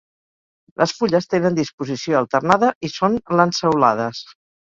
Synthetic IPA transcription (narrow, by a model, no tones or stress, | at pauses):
lʔəsfuʎəst̪enənd̪ispuzisioəlˠt̪ərnaðəʔisonlənsəwla̰ðəs